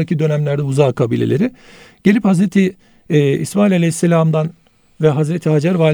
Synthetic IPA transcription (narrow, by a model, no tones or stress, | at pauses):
acid̪ø̞næmlʲæɾd̪ɛuzaːkʰabiːlʲḛlʲeɾi | ɟ̥eiphazɾet̪ʰiː | ismaːilʲalʲejisːelʲamd̪an | vɛɦazɾet̪ʰiɦad͡ʒaɾvaːlʲ